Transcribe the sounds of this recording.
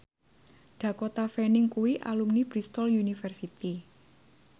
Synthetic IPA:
ɖ̪̥ä̤kot̪afɛnɪŋkuwiʔa̰lumnib̥ɾist̪ɔljunifɛrsit̪i

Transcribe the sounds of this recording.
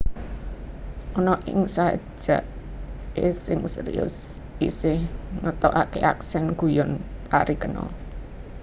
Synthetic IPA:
ʔɔnɔʔɪŋsaə̰̥ʒ̥aʔesɪŋsəɾḭʊ̰s | isɪhŋət̪ɔʔakeʔa̰ksɛnɡ̥ṳjɔnpaɾikənɔ̰

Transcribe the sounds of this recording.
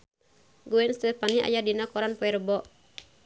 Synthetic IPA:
ɡuɛnst̪ɛpania̰jadinakɔɾanpɔɛrbɔ

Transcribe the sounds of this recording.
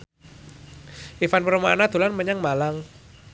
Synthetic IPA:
ʔifanpəɾmaanad̪̥ṳlanməɲaŋmalaŋ

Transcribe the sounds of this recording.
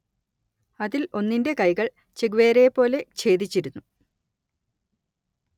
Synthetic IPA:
ɐðilo̞nːinde̞kɐjɣɐɭ | t͡ɕeɡuʋeːɾejpːo̞ːle̞t͡ɕe̞ːd̪it͡ɕːiɾunːu

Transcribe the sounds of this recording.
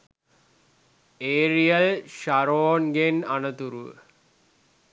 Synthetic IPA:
eːɾijəlʃaɾoːnɡenanət̪uɾuʋə̰

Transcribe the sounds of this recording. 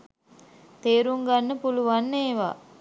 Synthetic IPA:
t̪eːɾuŋɡanːəpuluʋanːeːʋa̰ː

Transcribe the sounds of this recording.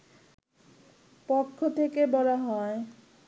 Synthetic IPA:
pokʰːot̪ʰekebɔlaɦɔe

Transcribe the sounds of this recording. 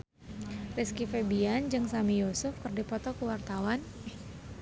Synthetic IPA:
riskifebiand͡ʒɨŋsamijosʊfkərdipɔt̪ɔkəwart̪awan

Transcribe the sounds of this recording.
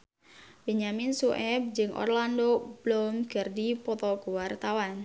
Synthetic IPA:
b̥eɲaminsuʔɛb̚d͡ʒɨŋʔɔ̰rlandob̥lɔmɡ̥ərdipɔt̪ɔɡuwart̪awan

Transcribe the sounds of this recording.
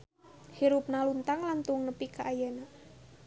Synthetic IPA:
hiɾup̚nalunt̪aŋlant̪uŋnəpikaʔajana

